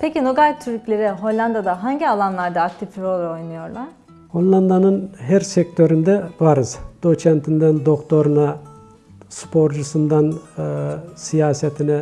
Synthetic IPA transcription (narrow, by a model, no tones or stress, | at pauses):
pʰecinoɡalʲt̪ʰyɾclʲe̞ɾɪɦolʲlʲˠand̪ad̪aɦaɲɟialˠanlˠaɾd̪aːk̚t̪ʰifiɾolˠao̞jnɯjo̞ɾlˠaɾ̥ | holʲˠlˠand̪anɯnɦæɾsɛc̚t̪ʰøɾynd̪ɛvaɾɯz̥d̪̥ot͡ʃʰɛnt̪ʰind̪ænd̪o̞kt̪ʰo̞ɾuna | spʰo̞ɾd͡ʒusɯnd̪anː | sijaːsɛt̪ʰinɛ